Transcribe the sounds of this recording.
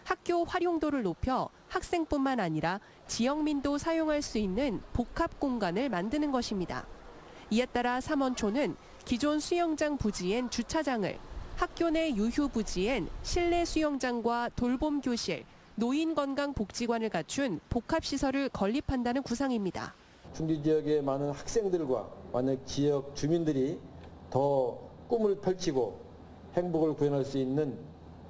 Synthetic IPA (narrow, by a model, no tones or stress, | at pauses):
hak̚k͈joɸwaɾjoŋdoɾɯɭnopʰjʌ | hak̚s͈e̞ŋp͈unmanaɲiɾa | t͡ɕijʌŋmindosʰajoŋɦaɭs͈uinːɯnpokʰap̚k͈oŋɡanɯɭmandɯnɯnɡʌɕʰimɲida̰ | ie̞t͈aɾasʰamʌnt͡ɕʰonɯn | kid͡ʑonsʰujʌŋd͡ʑaŋpud͡ʑie̞nt͡ɕut͡ɕʰad͡ʑaŋɯ̰ɭhak̚k͈jone̞juçjubud͡ʑie̞nɕʰiɭːe̞sʰujʌŋd͡ʑaŋɡwatoɭbomɡjoɕʰḭɭ | noinɡʌnɡaŋpok̚t͡ɕ͈iɡwanɯɭkat͡ɕʰunpokʰap̚ɕ͈isʰʌɾɯɭkʌʎːipʰandanɯnkusʰaŋimɲida̰ | t͡ɕʰuŋɡid͡ʑijʌɡe̞manɯnhak̚s͈e̞ŋdɯɭɡwa̰manat͡ɕijʌk̚t͡ɕumindɯɾi | tʌk͈umɯɭpʰʌɭt͡ɕʰiɡo | he̞ŋbuɡɯɭkujʌnɦaɭs͈uinːɯn